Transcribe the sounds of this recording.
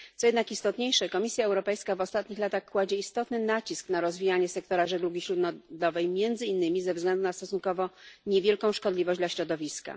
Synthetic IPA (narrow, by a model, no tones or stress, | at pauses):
t̪sɔjɛd̪nakist̪ɔt̪ɲejʂɛkɔmʲisʲjaɛwɾɔpɛjskavɔst̪at̪ɲixlat̪axkwad͡ʑɛist̪ɔt̪nɘnat͡ɕisknaɾɔzvʲijaɲɛsɛkt̪ɔɾaʐɛɡ̪uɡʲiɕɾud̪nɔd̪lɔvɛjmʲjɛnd̪zɘinːɘmʲizɛvzɡlɛnd̪unast̪ɔsuŋkɔvɔɲevʲjɛlkɔ̃w̃ʂkɔd̪lʲivɔʑd͡ʑd̪laɕɾɔd̪ɔvʲiska̰